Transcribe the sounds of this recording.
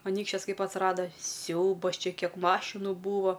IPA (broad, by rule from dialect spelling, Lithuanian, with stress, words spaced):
ɐˈnʲiːkʃʲt͡ʃʲɛs ˈkɐɪp ɐtsˈrɑːdɐ ˈsʲɛʊbɐs ˈt͡ʃʲɛ ˈkʲiɛk ˈmɑːʃʲɪnʊ ˈbuːʋoː